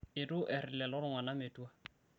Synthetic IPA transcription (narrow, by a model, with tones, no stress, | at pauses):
ɪ˨tʊ˦ʔɛ˨rɪ˨lɛ˨lɔ˦ɾʊ˦ŋwa˨na˦me˨tu˦a˦